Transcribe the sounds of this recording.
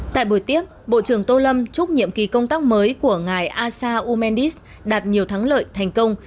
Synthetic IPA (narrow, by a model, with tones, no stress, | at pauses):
t̪a̰ː˧˨jɓo˧˩jt̪i˦˥əp̚ɓo̰˧˨t͡ɕɨ˧˩əŋt̪o˧lə˧mt͡ɕʊ˦˥k͡p̚ɲḭ˧˨əmki˨˩kə˧wŋ͡mt̪aː˦˥k̚məː˨˦jku˧˩əŋaː˨˩jʔaː˧saː˧ʔu˧mɛ˧nɗi˦˥s | ɗaː˨˩t̚ɲi˨˩əwt̪ʰaː˨˦ŋlə̰ː˧˨jt̪ʰa˨˩jŋ̟kə˧wŋ͡m